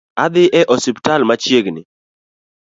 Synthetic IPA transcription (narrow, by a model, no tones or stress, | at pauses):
ad̪ɪʔɛʔɔsɪptalmat͡ʃjeɡnɪ̰